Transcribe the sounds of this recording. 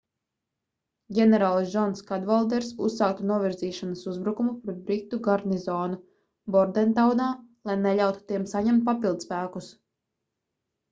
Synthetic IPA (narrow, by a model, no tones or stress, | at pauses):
ɡʲɛnɛɾaːlˠsd͡ʒɔnskad̪valˠd̪ɛɾsusːaːk̚t̪unuɔvʲiɾziːʃanasuzbɾukumupɾɛt̪̚bɾikt̪ːuɡaɾnizɔːnu | bɔɾd̪ɛnt̪awnaːlˠajnɛʎʲawt̪u̥t̪iɛmsaɲɛmt̪̚papilˠd̪spæːkus